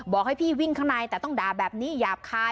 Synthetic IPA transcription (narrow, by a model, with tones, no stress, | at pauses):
bɔː˨˩k̚ha˥˩jpʰiː˥˩wi˥˩ŋkʰa˥˩wnaː˧jt̪ɛː˨˩t̪ɔ˥˩ŋdaː˨˩bɛː˨˩p̚niː˦˥jaː˨˩p̚kʰaː˧